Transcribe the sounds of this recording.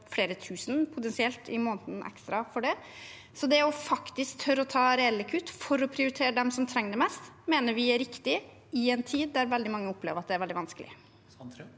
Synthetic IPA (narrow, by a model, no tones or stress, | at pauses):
fleːɾət̪ʰʉːsn̩pʰʊt̪ɛnsɪɛlt̪ɪmoːnt̪nʔɛ̰kst̪ɾɑfɔɖɛ | sɔd̪ɛɔfɑkt̪ɪskt̪ʰœɾɔt̪ʰɑːɾɛɛlːəkʰʉt̪ːfɔɾɔpʰɾɪʊɾɪt̪ʰeːɾəd̪ɛmsɔmt̪ʰɾɛŋːəd̪ɛmɛst̪meːnəɾʋɪæɾɪkt̪ɪ | ɪɛnt̪ʰiːd̪ːæɾʋɛld̪ɪmɑŋːəɔpːlḛːʋəɾɑt̪d̪ɛæɾʋɛlɪʋɑnsklɪ̰ə